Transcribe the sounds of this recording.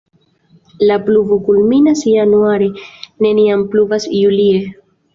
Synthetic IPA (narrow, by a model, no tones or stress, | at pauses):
lapluvukulminasjanuaɾene̞niampluvasjulie